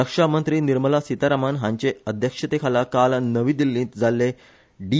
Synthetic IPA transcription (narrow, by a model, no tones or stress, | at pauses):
ɾəkʂamənt̪ɾiːniɾməlasit̪aɾamanɦãɲt͡ɕeəd̪ʱjəkʂət̪ekʰalakalnəʋiːd̪ilːĩːt̪d͡zalːe | ɖi